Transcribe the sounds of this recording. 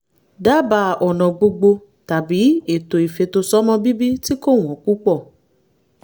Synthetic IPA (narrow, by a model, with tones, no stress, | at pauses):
da˦ba˧˨ɔ˨nɔ̃˨ɡ͡bo˧ɡ͡bo˧ | ta˨bi˨˦e˦˨to˨i˨fe˧to˧sɔ˦mɔ̃˦bi˦bi˦ti˦ko˦˨w̃ɔ̃˨ku˦k͡pɔ˦˨